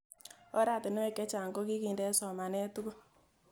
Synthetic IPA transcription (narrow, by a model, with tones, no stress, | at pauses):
ɔ˦ɾa˦˨tɪ˨nɪ˦wɛ˦kɛ˦t͡ʃa˨ŋɡɔ˦ki˦ki˨ndɛ˦sɔ˨ma˨nɛ˦tu˦kɔ˦